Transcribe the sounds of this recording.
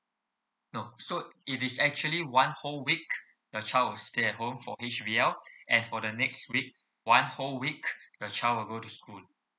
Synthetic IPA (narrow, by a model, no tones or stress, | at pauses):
nosoitɪsɛk̚t͡ʃuəliwãnholwik̚ | dət͡ʃaɪlwilsteɛt̚ɦõmfɔ̰hit͡ʃviɛlʔɛ̃nfɔdənɛkstwik̚ | wãnholwikdət͡ʃaɪlwilɡotuskul